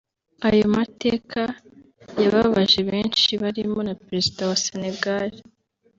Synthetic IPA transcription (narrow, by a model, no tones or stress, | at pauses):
ajomate̞ːkʰa | jaβaβaʒe̞βe̞ːnʃiβaɾimo̞napɾe̞zidawasene̞ɡaɾi